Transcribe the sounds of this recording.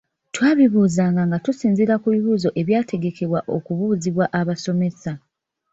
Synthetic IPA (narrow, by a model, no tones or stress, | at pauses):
twaːβiβuːzaːŋɡaŋɡatusiːnziɾakuβiβuːzo̞ʔe̞βjaːtʰe̞ɡe̞ke̞βwaʔo̞̰kuβuːziβwaʔaβaso̞me̞sa